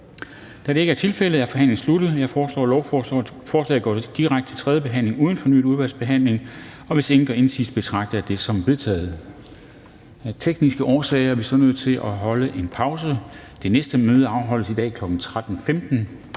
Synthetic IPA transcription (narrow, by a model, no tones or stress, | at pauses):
d̥æɾe̝e̝ɡəæɐt͡sʰe̝lfel̰əð̩ˠæɐfɒ̽ɦæn̰leŋn̩slud̥ð̩ˠjɑ̈ɪɒːslɒ̰ːlɒʊ | fɒːslɛ̰ːð̩ˠɡ̥ɒ̰ːd̥iʁäɡ̥̚d̥ət͡sʰe̝lt͡sʰʁɛðˠjəb̥e̝ɦæn̰le̝ŋuːð̞ˠn̩fɒ̽ny̰̥ːuðˠʋæɐlsb̥e̝ɦæn̰le̝ŋ | ɒ̽ʋe̝seŋn̩ɡ̥ɒe̝nsḭːsb̥e̝t͡sʰʁɑ̈ɡ̥̚d̥d̥e̝sɒ̽mʋe̝ðˠt͡sʰɛ̰ːð̩ˠ | t͡sʰeɡ̥nisɡ̥əʔɒːsɛ̰ːɪɐæʋisɒ̽nøð̞̰ˠt͡sʰe̝lʔɒɦɒ̽ləʔe̝npʰɑ̈ʊs̬ə | d̥e̝nesd̥əmøːð̞ˠəɑ̈ʊɦɒ̽l̰əsid̥ɛ̰ːkʰlɒ̽ɡ̥n̩t͡sʰʁad̥n̩femd̥n̩